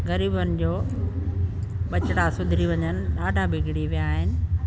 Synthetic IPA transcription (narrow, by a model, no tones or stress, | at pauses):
ɣɐɾiːbənɪ̆d͡ʑoː | ɓɐt͡ɕɪɽasʊd̪ʱɾiʋɐɲənɪ̆ɗaːɖʱabʱɪɡʱɪɽiʋijaːɦɪnɪ̆